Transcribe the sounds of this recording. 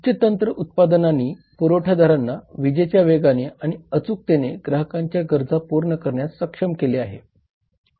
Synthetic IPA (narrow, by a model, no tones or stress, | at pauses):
t͡ɕət̪ənt̪ɾəʔut̪̚pad̪ənaniː | puɾoʈʰad̪ʱaɾanːaʋid͡ʑet͡ɕjaʋeɡaneaɽ̃iət͡suk̚t̪eneɡɾaɦəkaɲt͡ɕjaɡəɾd͡zapuɾɳəkəɾɳjaəkʂəmkeleaɦḛ